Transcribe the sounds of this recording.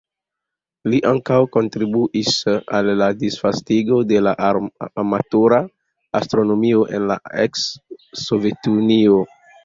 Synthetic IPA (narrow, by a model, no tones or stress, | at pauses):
liʔaŋkawko̞ntɾibuʔisalːadisfastiɡo̞de̞laʔamatoɾa | astɾo̞no̞mio̞ʔe̞̰nla̰eksːo̞ve̞tunio